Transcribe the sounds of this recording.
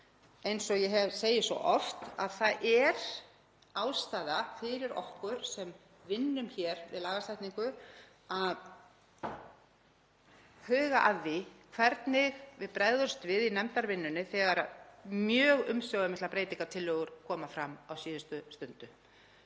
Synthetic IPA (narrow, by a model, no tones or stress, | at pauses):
ejnsɔjɛɦɛvseːjɪsvɔ̰ʔɔft̪aðθaðɛɾ̥ | aːwst̪aːðafɪɾɪɾɔ̰hkʏɾ̥sɛm | vɪnːʏmçɛɾvɪ̰ðlaːɣast̪ajht̪niŋkʏ | að | hœːɣaʔaðːɪkʰvɛɾt̪nɪɣvɪðpɾajðʏɾ̥st̪vɪðinɛmt̪aɾvɪnːʏnɪθɛːɣaɾa̰ðmjœːɣʏmsjɔwɣamɪht̪lapɾeːjt̪iŋkat̪ʰɪlːœɣʏɾkʰɔːmafɾamːawsiːðʏst̪ʏst̪ʏnt̪ʏ